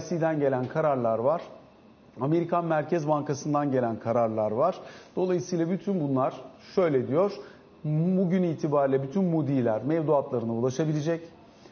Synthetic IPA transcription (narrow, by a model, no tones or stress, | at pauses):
sid̪ænɟe̞lʲænkʰaɾaɾlˠaɾvaɾ̥ | ame̞ɾikʰanmæɾcʰɛzbaŋkasɯnd̪anɟe̞lʲænkʰaɾaɾlˠaɾvaɾ̥d̪̥o̞lˠajɯsɯjlˠabyt̪ʰynbunlˠaɾ̥ | ʃø̞jlʲed̪ijoɾ̥ | buɟyniːt̪ʰibaːɾilʲɛbyt̪ʰynmud̪iːlʲæɾmɛvzuat̪lˠaɾɯnaulˠaʃabilʲed͡ʒɛc